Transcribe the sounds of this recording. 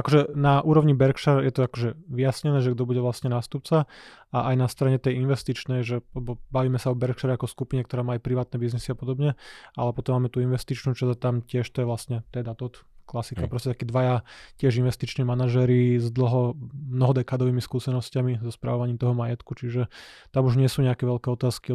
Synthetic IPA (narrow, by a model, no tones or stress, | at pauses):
akɔʒɛnaʔuːɾɔʋɲibɛɾkʃaɾjɛt̪ɔakɔʒɛʋijasɲɛnɛːʒɛɡ̚d̪ɔbuɟɛʋlasɲɛnaːst̪up̚t͡sa | aʔajnast̪ɾaɲɛt̪ɛjinʋɛst̪it͡ʃnɛjʒɛalɛbɔbaʋiːmɛsaɔbɛɾkʃaɾɛakɔskupiɲɛkt̪ɔɾaːmaːjpɾiʋaːt̪nɛbiznisiapɔd̪ɔbɲɛa̰lɛpɔt̪ɔmːaːmɛt̪uinʋɛst̪it͡ʃnuːt͡ʃazat̪amcɪɛʃt̪ɔjɛʋlast̪ɲɛt̪ɛd̪at̪ɔt̪klasikapɾɔscɛt̪akiːd̪ʋajacɪɛʒinʋɛst̪it͡ʃnimanaʒɛɾizd̪l̩ɦɔmnɔɦɔd̪ɛkaːd̪ɔʋiːmiskuːsɛnɔscamizɔspɾa̰ʋɔʋaɲiːmt̪ɔɦɔmajɛt̪kut͡ʃiʒɛt̪amuʒɲɪɛsuːɲɛakɛʋɛʎkɛːɔt̪aːski